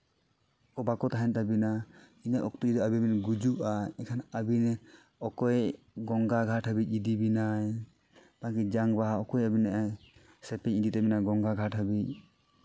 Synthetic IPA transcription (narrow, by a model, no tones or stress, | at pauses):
kɔbakɔt̪aɦɛnt̪abina | inaʔɔk̚t̪ud̪ɔabiminɡud͡ʒuʔaɛkʰanabinɛ | ɔkɔj | ɡɔŋɡaɡʱaʈʰɦəbic̚ˀid̪ibinaj | b̥ak̬id͡ʒaŋbaɦaɔkɔjabinaʔa | sɛpɛɲid̪it̪abinaɡɔŋɡaɡʱaʈɦəbic̚